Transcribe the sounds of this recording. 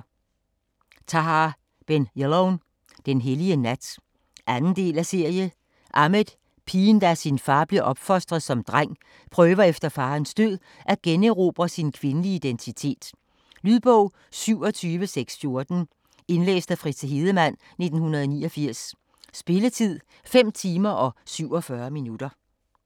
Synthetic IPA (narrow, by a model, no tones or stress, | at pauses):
t͡sʰɑ̈ɦɑ | b̥enjeloʊn | d̥enɦeliənæd̥ | ʔænn̩d̥e̝̰ːlæse̝ɐ̰jə | ʔɑ̈med̥ | pʰiːnd̥æsinfɑ̈ːb̥liɐʔɒ̽b̥fɒ̽sd̥ʁɐð̩ˠsɒ̽md̥ʁaŋ̰ | pʰʁœːʋɐefd̥ɐfɑ̈ːnsd̥øð̰ˠ | ʔæɡ̥enəʁob̥ʁɐsinkʰʋe̝nəliid̥ent͡sʰit͡sʰe̝̰ːd̥ | lyðˠb̥ɔʊ̰ | syʊ̰ɒ̽t͡sʰyːʋəseɡ̥sfjo̝ɐd̥n̩ | e̝nlḛːsd̥æfʁid̥sɦe̝ːð̞ˠəmæn̰ | ne̝d̥n̩hunɐðˠniːɒfiɐ̰sː | b̥e̝lət͡sʰið̰ˠ | fem̰t͡sʰiːmɐʔɒ̽syʊ̰ɒ̽fɶɐminud̥ɐ